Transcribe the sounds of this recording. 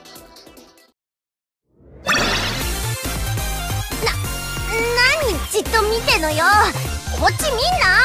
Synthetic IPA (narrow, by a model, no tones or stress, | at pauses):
na | naɲ̟it͡ɕit̪ːomʲit̪e̞nojokot͡ɕːimʲĩnːa